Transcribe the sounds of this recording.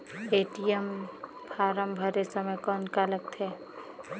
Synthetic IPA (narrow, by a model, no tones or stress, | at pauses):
eːʈijəm | pʰaːɾəmbʱəɾesəməjkɔːnkalək̚t̪ɦɛː